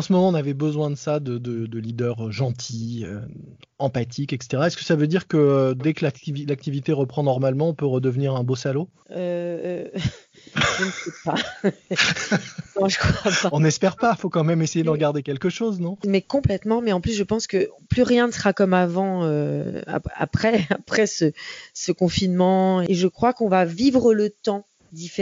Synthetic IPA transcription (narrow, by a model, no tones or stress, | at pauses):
ɑ̃səmɔmɑ̃ɔ̃navɛbəzwɛ̃d̪əsad̪əd̪əd̪əlid̪œʁʒɑ̃t̪ʰiø | ɑ̃pat̪ʰikɛkse̥t̪eʁaɛskə̥savød̪iʁkəød̪ɛkəlakt̪ivilak̚t̪ivit̪eʁəpχɑ̃nɔʁmalmɑ̃ɔ̃pøʁəd̪əvniʁɛ̃bosalo | ø | ʒənsɛpa | nɔ̃ʒəkχwapaɔ̃nɛspɛʁpafokɑ̃mɛmesejed̪ɑ̃ʁɡaʁd̪ekʲɛlkəʃoznɔ̃mɛkɔ̃plɛt̪mɑ̃mɛɑ̃plys̬ʒəpɑ̃skəplyʁjɛ̃nəsəʁakɔmavɑ̃øa̰a̰pχɛapχɛsəsəkɔ̃finmɑ̃eʒəkχwakɔ̃vavivʁələt̪ɑ̃ | d̪ife